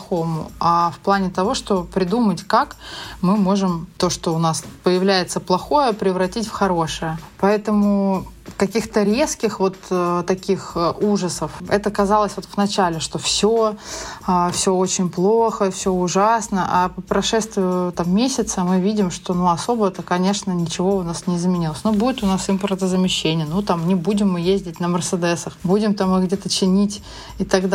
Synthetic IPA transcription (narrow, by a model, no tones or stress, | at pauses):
xo̞mʊ̰afplˠanʲɪt̪ɐvo̞ʂt̪o̞pɾʲɪd̪umətʲkakmɨmo̞ʐɨmt̪o̞ʂt̪o̞ʊnaspəjɪvlʲæjɪt̪səplˠɐxo̞jəpɾʲɪvɾɐtʲitʲfxɐɾoʂɨjəpɐɛt̪əmʊ | kɐkʲixt̪əɾʲe̞skʲɪxvo̞t̪t̪ɐkʲixuʐəsəfɛ̰t̪əkɐzɑlˠəsʲvot̪vnɐt͡ɕælʲɪʂt̪o̞fsʲo | afsʲoot͡ɕɪnʲplˠoxəfsʲoʊʐasnəʔapəpɾɐʂɛst̪vʲɪjʊt̪amːʲesʲɪt̪səmɨvʲidʲɪmʂt̪o̞nuɐso̞bəɛt̪əkɐnʲe̞ʂnənʲɪt͡ɕɪvo̞ʊnasnʲɪɪzmʲɪnʲilˠəsʲnobudʲɪt̪ʊnasɨmpəɾt̪əzəmʲɪɕːenʲɪjənut̪amnʲɪbudʲɪmːɨjezʲdʲɪtʲnəmʲərsəd̪ɛsəxbudʲɪmt̪amɨɣɡdʲet̪ət͡ɕɪnʲitʲ | ɪt̪ɐɡd̪